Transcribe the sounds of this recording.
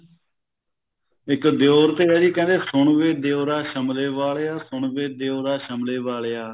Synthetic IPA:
ɪkd̪joːɾt̪eːɛːɾiːkɛ̃ːnd̪eːsʊɳʋeːd̪eoːɾaːʃəmleːʋaːleːaːsʊɳʋeːd̪eoːɾaːʃəmleːʋaːɭeːaː

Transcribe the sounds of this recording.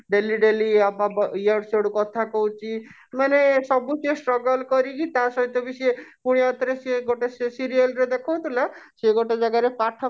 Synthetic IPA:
ɖeliɖeliababiaɽsoɽukɔt̪ʰakɔwt͡ʃʰi | manesɔbusesʈɾɔɡɔlkɔɾikit̪asɔɦit̪ɔbisiepuɽ̃iat̪ɾeseɡoʈesesiɾialɾed̪ekʰow̃t̪ʰulaseɡoʈed͡ʒaɡaɾepaʈʰa

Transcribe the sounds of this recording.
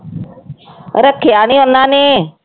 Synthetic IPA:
ɾəkʰːejaːñiːʊnːãːneː

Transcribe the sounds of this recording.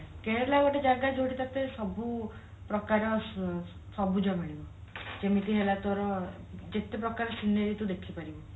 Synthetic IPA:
keɾlaʋɔʈed͡ʒaɡad͡ʒoɽit̪at̪esɔbu | pɾɔkaɾɔ | sɔbʱud͡ʒɔmiɭibɔd͡ʒemit̪iɦelat̪ɔɾɔ | d͡ʒet̪epɾɔkaɾɔsinːeɾit̪ud̪ekʰipaɾibɔ

